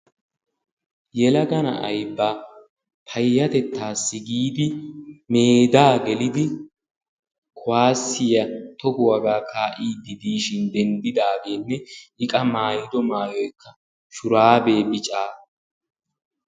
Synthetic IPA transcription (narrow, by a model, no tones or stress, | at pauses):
jɛlɐɡɐnɐ̰ʔɐjbːaː | pʰɐjːɐt̪ɛt̪ːaːsːɪɡiːd̪ɪmeːd̪aːɡɛlɪd̪ɪ | kʰʊwaːsːɪjɐt̪ɔɡʊwɐɡaːkʰaːʔiːd̪ɪd̪iːʃɪnd̪ɛnd̪ɪd̪aːɡeːnːɛhɪkʼɐmaːjɪd̪ɔmaːjɔjkːɐ | ʃʊɾaːbe̞ːbɪt͡ʃʼaː